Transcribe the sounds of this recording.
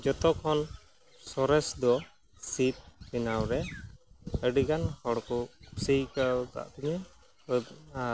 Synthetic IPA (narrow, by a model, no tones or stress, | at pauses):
d͡ʒɔt̪ɔkʰɔn | sɔɾɛsd̪ɔ | sip̪̚pinawɾɛ | əɖiɡanhɔɽkusijkak̪a̰ʔk̪iɲɛ | a